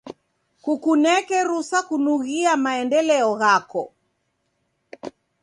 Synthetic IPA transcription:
kukunɛkɛɾusakunuɣiamaɛndɛlɛɔɣakɔ

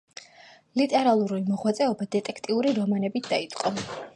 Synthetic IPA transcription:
lit̪ʼɛɾalˠuɾulimɔʁwat̪sʼɛɔbad̪ɛt̪ʼɛkʰt̪ʼiuɾiɾɔmanɛbit̪ʰd̪ait̪sʼqʼɔ

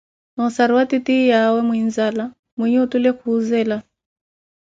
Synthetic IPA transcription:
nɔsaɾiwatitijawɛmwin̩zala | mwiɲɛutulɛkuːzɛːla

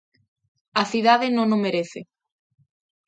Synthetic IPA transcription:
aθiðaðenõnõmeɾeθe

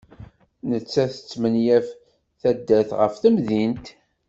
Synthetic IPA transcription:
nət͡sːæθə̥t͡sːmənjæf | θæd̪ːæθʁə̰fθəmðint̪

